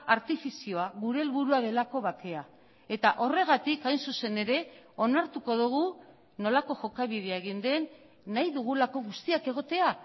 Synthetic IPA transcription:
aɾt̪ifisio̞aɣuɾe̞ːlβuɾuað̞e̞lako̞βake̞a | e̞t̪aʔo̞re̞ɣ̞at̪ikajnsuse̞ne̞ɾe̞o̞naɾt̪uko̞ðuɣ̞u | no̞lako̞ʝo̞kaβ̞ið̞e̞aeɣ̞ind̪e̞nː | aiðuɣ̞ulako̞ɣust̪iake̞ɣ̞o̞t̪e̞a

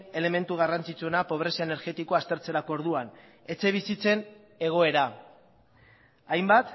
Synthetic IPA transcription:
e̞le̞me̞nt̪uɣ̞arant͡sit͡sue̞napo̞β̞ɾe̞saene̞ɾɣe̞t̪iko̞ast̪e̞ɾt͡se̞ɾakooɾð̞uan | e̞t͡se̞β̞isit͡se̞n | e̞ɣ̞o̞e̞ɾa | ajmbat̪

